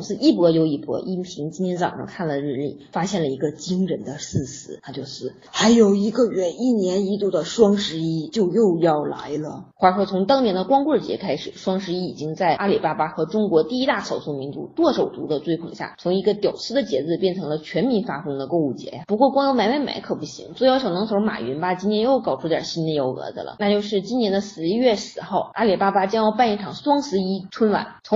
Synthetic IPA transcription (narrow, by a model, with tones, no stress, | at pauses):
sɹ̩˥˧ʔi˥˩pwɔ˧˥jo˧˥ʊi˥˩pwɔ̰˧˥ʔi˥˩pʰi˧˥ŋt͡ɕi˥nt̪jɛ˧˥nt͡sɑ̰˨˩ŋʂɑ̰˧˥ŋkʰa˥˩nlə˩ɻɻ̩˥˧lḭ˥˩fa˥ɕjɛ˥˩nlə˩i˧˥ɡə˧t͡ɕi˥ŋɻə˧˥nd̪ə˧sɹ̩˥˩sɹ̩˧˥t̪ʰa˧˥t͡ɕjo˥˧ʊʂɻ̩˥˩ | xa˧˥ɪjo˨˩ʊi˧˥ɡə˧ɥɛ˧˩ni˥˩njɛ˧˥ni˧˥t̪u˥˩d̪ə˩ʂwɑ˥ŋʂɻ̩˧˥i˥t͡ɕjo˥˧ʊjo˥˧ʊjɑ˥˩ʊla̰˧˥ɪlə˨xwa˥˩˨ʂwɔ˥t͡sʰʊ˧˥ŋt̪ɑ˥ŋnjɛ˧˥nd̪ə˧kwɑ˥ŋkwə˥˩t͡ɕjɛ̰˧˥kʰa˥ɪʂɻ̩˨˩ʂwɑ˥ŋʂ̬ɻ̩˧˥i˥i˨˩t͡ɕi˥ŋt͡sa˥˩ɪʔa˥li˨˩pa˥pa˥xɤ˧˥ʈ͡ʂʊ˥ŋkwɔ˧˥t̪i˥˩i˥t̪a˥˩ʂɑ˨˩ʊsu˥˩mi˧˥nt͡sṵ˧˥t̪wɔ˥˩ʂo˨˩ʊt̪ṵ˧˥d̪ə˧t͡swe˥ɪkʰʊ˨˩ŋɕja̰˥˩t͡sʰʊ˧˥ŋi˧˥ɡə˧t̪jɑ˨˩ʊt͡sʰɹ̩˥d̪ə˨t͡ɕjɛ˧˥t͡sɹ̩˥˧pjɛ˥˩nʈ͡ʂʰɤ˧˥ŋlə˧t͡ɕʰɥɛ˧˥nmi˧˥nfa˥fɤ˥ŋd̪ə˧ko˥˧u˥˩t͡ɕjɛ̰˧˥ja˩pu˧˥kwɔ˥˩kwŋjo˧˥ʊna˧˥me˥˩ɪma̰˧˥ɪkʰɤ˨˩pu˥˩ɕḭ˧˥ŋt͡swe˥˩ɪ˧˥ʊɕjɑ˨˩ʊnɤ˧˥ŋsʰma̰˨˩ɥɛ̰˧˥nba˧t͡ɕi˥nʰjɛ˧˥njo˥˩ʊkɑ˨˩ʊʈ͡ʂʰu˥t̪jɑ̰˨˩ɕi˥nd̪ə˧jo˧˥ʊɤ̰˧˥d͡zə̰˧lə̰˩na˥˧t͡ɕjo˥˧ʊʂɻ̩˥˩t͡ɕi˥njɛ˧˥nd̪ə˧sɹ̩˧˥ɥɛ˥˩sɹ̩˨˩xo˥˩ʊa˥li˨˩pa˥pa˥t͡ɕjɑ˥ŋjɑ˥˧ʊa˥˧ni˥˩ʈ͡ʂʰɑ˨˩ŋswɑ˥ŋsɹ̩˧˥i˥ʈ͡ʂʰwə˥nwa̰˧˥˦nt͡sʰʊ˧˥ŋ